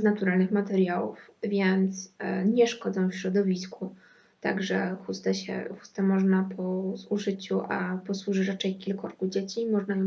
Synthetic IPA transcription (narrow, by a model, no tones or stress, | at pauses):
znat̪uɾalnɘxmat̪ɛɾjawṵfvʲjɛnt̪sɲɛʂkɔd̪zɔ̃w̃fɕɾɔd̪ɔvʲisku | t̪a̰ɡʐɛxust̪ɛɕɛ̰xu̥st̪ɛmɔʐnapʰɔzuʐɘt͡ɕuʔapɔswuʐɘɾat͡ʂɛjkʲilkɔɾkud͡ʑet͡ɕimɔʐnajɔ